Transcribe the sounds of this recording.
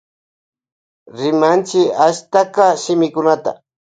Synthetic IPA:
ɾɪmant͡ʃɪaʃt̪akaʃɪmɪkʊnat̪a̰

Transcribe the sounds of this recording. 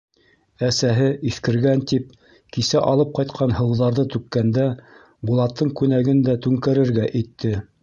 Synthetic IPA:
æsæɦɘʔiθkɘ̆ɾɡænt̪ip̚ | kisæʔɑlˠɤp̚qɑjt̪qʰɑnhɤ̆wðɑɾðɤt̪ʉkːænd̪æ | bulˠɑt̪ːɤɴkʉnæɡɘnd̪æt̪ʉŋkæɾɘ̆ɾɡæʔit̪ːɘ

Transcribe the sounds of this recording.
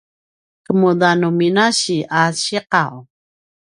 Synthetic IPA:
kəmud̪anuminaɕiaɕiqaw

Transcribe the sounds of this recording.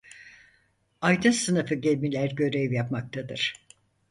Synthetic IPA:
ajd̪ɯnsɯnɯfɯɟɛlʲmilʲæɾɟø̞ɾɛvjapmak̚t̪ʰad̪ɯ̰ɾ̥

